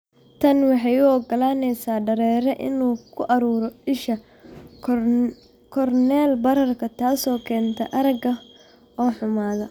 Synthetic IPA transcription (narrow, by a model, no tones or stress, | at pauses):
t̪ʰɐnwɑħɑjʊɔɡɐlaːnɛjsaːɖɐɾɛːɾɛʔɪ̰nuːkʰʊʔɐɾuːɾɔɪʃɐ | kʰɔrnɛːlbɐɾɐrkʰɐt̪ʰaːsɔːkʰɛːnt̪ʰɛ̰ʔɐɾɐɡɐ | ɔːħʊmaːðɐ